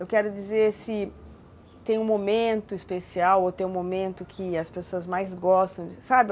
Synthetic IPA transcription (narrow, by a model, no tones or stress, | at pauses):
ewkɛɾʊd͡ʒizeɾsɪ | t̪ẽj̃ũmomẽnt̪ʊispesiawot̪ẽj̃ũmomẽnt̪ʊkʰɪɐspesoɐzmajzɡɔst̪ɐ̃w̃d͡ʒɪsabɪ